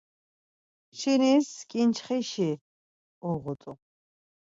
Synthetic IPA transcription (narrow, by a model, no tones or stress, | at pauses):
t͡ʃʰiniskʼint͡ʃʰχiʃi | uʁʊt̪ʼu